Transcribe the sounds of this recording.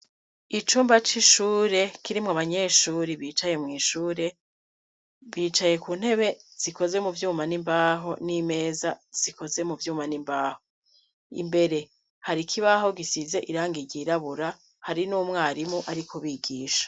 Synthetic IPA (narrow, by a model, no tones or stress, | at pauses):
it͡ʃuːmbat͡ʃiʃuːɾe̞kiɾimŋaβaɲe̞ːʃuːɾiβiːt͡ʃaje̞mŋiːʃuːɾe̞ | βiːt͡ʃaje̞kuːn̥he̞βe̞z̥iko̞ze̞muvjuːmanimbaːɦo̞nime̞ːzaz̥iko̞ze̞muvjuːmanimbaːho̞ | ḭmbe̞ɾe̞ | haɾikʰiβaɦo̞ɡisize̞ʔiɾaːŋɡiɟiɾaβuɾa | haɾinuːmŋaːɾimuʔaɾikʰoβiːɡiːʃḁ